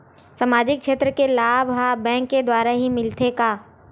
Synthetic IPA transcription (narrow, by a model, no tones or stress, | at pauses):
samaːd͡ʒɪk̚ʃeːt̪ɾəkelaːbɦabɛ̃ːŋkːed̪waːɾaɦimɪlt̪ekaː